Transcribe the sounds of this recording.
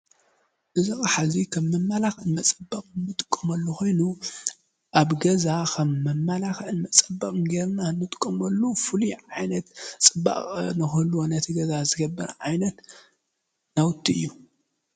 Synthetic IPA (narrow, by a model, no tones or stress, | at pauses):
ʔɨzɐxʼħazikʰɐmːɐmːalaxɨnmɐt͡sʼɐbːɐkʼnɨt̪ʼɨ̥kʼːɐmɐlːoxʰo̞jnu | ʔaβɡɐzakʰɐmːɐmːalaxɨnmɐt͡sʼɐbːɐkʼnɡeɾnanːɨt̪ʼkʼːɐmɐlːufɨluʕajnɐt̪t͡sʼɨbːa̰χʼnɨxɐlːuanɐt̪ʰiɡɐzazɨɡɐbːɐɾʕajnɐt̪ | nawʊt̪ʰːiɨ̰jːu